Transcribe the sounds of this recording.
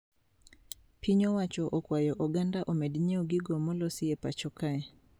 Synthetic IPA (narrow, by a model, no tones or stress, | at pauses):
piɲɔwat͡ʃɔʔɔkwajɔʔɔɡandaʔɔmɛdiɲɛɔɡiɡɔmɔlɔsiɛpat͡ʃɔkaɛ